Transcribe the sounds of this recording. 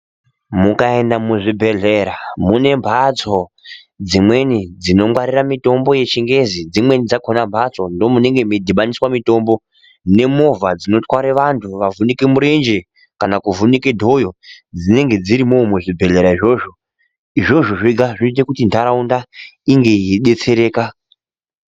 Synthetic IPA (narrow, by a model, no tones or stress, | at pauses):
mukae̞ndamuʐibʱe̞ɮe̞ɾamune̞mbʱat͡so | d͡zimwe̞nid͡zino̞mwaɾiramito̞mbo̞je̞t͡ʃiŋɡe̞zid͡zimwe̞nid͡zakʰonambʱat͡so̞ndo̞mune̞ŋɡe̞medʱiɓaniswamito̞ːmbo̞ | ne̞mo̞vad͡zino̞twaɾeʋantʰuʋavunikemuɾe̞nd͡ʒe | kanakuvunikedʱo̞jo | d͡zine̞ŋɡe̞d͡ziɾimomweʐibʱe̞le̞ɾaiʐo̞ʐo̞ | iʐo̞ʐoʐiɡʱaʐiit̬ekutindʱaɾaundaiŋɡe̞iɗe̞t͡se̞ɾe̞ːka